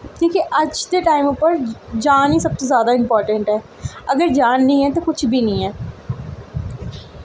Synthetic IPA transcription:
kĩːkeʔəd͡ʒd̪eːʈaːɪmʊpəɾd͡ʒaːniːsəb̚t̪ozjaːd̪aːɪmpɔːɾʈə̃ɳʈɦɛː | əɡəɾd͡ʒaːnːĩːɦɛ̃ːt̪okʊt͡ʃʰbʱiːnəĩːɛː

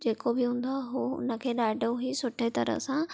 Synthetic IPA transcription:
d͡ʑeːkobʱɪɦũːnd̪aɦoʊ̰nəkʰeːɗaːɖoɦisʊʈʰet̪ɐ̰ɾə̰sã

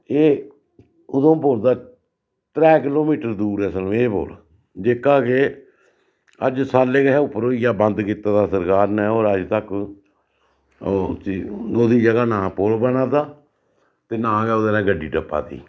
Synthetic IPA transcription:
eː | ʊd̪õːboːld̪aː | t̪ɾɛːkɪloːmiːʈəɾd̪uːɾɛːsəlːeːbo̰ːl | d͡ʒeːkaːke | əd͡ʒsaːleːɡəɦɛːʊpːəɾoːijaːbənd̪kɪt̪aːd̪aːsəɾkaːɾnɛ̃ːoːɾəd͡ʒt̪ək | oːd̪iːd͡ʒəɡaːnãːpoːlbənãːt̪aː | t̪eːnãːɡɛːʊd̪anɛ̃ːɡəɖːiːɖəpːa̰ːt̪ḭː

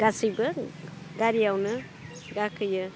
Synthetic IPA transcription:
ɡ̥asibə | ɡaɾijawnə | ɡakəjə

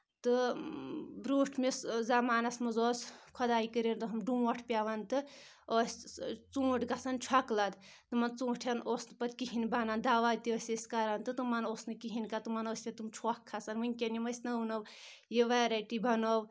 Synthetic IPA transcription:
t̪ɨ | bɾuːʈʰmeszamaːnɐsmɐzoːskʰɔd̪aːikəɾent̪ɨɦɐmɖũːɔʈʰpʲjaʋɐnt̪ɨ | osʲt͡sũːʈɡɐsɐnt͡ʃʰwaklɐd̪ | t̪ɨmɐnt͡sũːʈʰʲɐnʔoːsnɨpɐt̪kiɦinbɐnand̪aːʋad̪ʲt̪iosʲesʲkɐɾɐnt̪ɨt̪ɨmɐnoːsnɨkiɦinkɐt̪ɨmɐnoːsʲnʲet̪umt͡ʃʰokʰːɐsɐnʋɨnʲkʲenimɐsʲnɐunow | jiʋaɾɐʈibʱɐnow

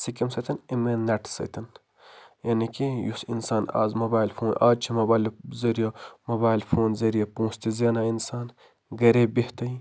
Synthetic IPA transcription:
sikɐmsɐt̪ʰɐnimenɐʈsɐ̰t̪ʰɐn | jɐnikijusḭnsaːna̰ːzmɐbaːilfʰoːnaːd͡ʒt͡ʃʰimɐbaːlzɐɾijɐmɐbaːilfʰoːnzɐɾijɐpõːst̪izeːnainsaːn | ɡɐɾebiht̪ɐi

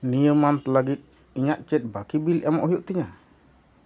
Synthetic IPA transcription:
nijəmant̪əlaɡit̪̚ | iɲaʔt͡ʃɛt̪̚bakibilamɔʔhujuʔt̪iɲa

